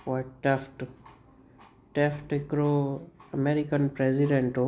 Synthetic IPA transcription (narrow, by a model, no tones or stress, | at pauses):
ɔʈefʈ | ʈefʈɪkɾoəmeɾikənpɾeziɖẽɳʈo